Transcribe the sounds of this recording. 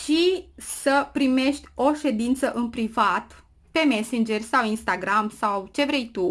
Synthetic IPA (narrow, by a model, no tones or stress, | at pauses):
ʃisəpɾime̞ʃt̪ʲo̞ʃe̞d̪int̪səʔɨnpɾivat̪ | pe̞me̞sind͡ʒe̞rʲsawinst̪aɡɾamsawt͡ʃe̞vɾe̞jt̪u